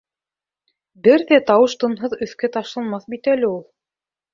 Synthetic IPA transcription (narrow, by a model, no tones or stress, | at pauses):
bɘɾðæt̪ɑwɤʃt̪ŏnɦɤðɵ̆θkæt̪ɑʃlˠɑnmɑθbit̪ælɘulˠ